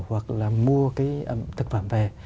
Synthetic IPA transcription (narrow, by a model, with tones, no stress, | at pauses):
hwa˨˩k̚laː˨˩mu˧əkaː˨˦jʔə˧˩t̪ʰɨ˨˩k̚fə˧˩˨mve˨˩